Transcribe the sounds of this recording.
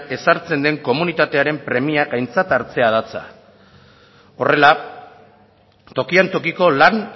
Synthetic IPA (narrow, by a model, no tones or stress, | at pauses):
e̞saɾt͡se̞nd̪e̞ŋko̞munit̪at̪e̞aɾe̞mpɾe̞miaɡajnt͡sat̪aɾt͡se̞að̞at͡sa̰ | o̞re̞la | t̪o̞kiant̪o̞kiko̞lan